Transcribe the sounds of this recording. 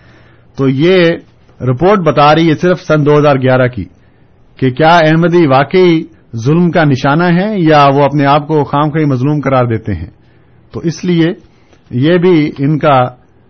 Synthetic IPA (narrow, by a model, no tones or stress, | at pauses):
t̪oːjeː | ɾɪpoːɾʈ̚bɐt̪aːɾeɦiɛsɪɾfsɐnd̪oːɦɐzaːɾɡjaːɾakḭː | kekjaːɛɦməd̪iʋaːkəi | zʊlmkanɪʃaːnaɦɛjaʋoɐpneaːp̚koxaːmxaimɐzluːmkɐɾaːɾd̪eːt̪eɦɛ̰̃ː | t̪oːʔɪslie | jebʱiɪnka